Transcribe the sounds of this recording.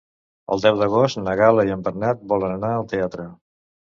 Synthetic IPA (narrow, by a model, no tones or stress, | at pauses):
ə̰lˠd̪ɛwd̪əɣɔst̪nəɣaləiəmbəɾnat̪̚bɔlənənaəlˠt̪eat̪ɾə